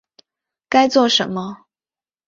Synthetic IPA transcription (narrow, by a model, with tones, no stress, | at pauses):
ka˥ɪt͡swɔ˥˩ʂə̰˧˥nmə˦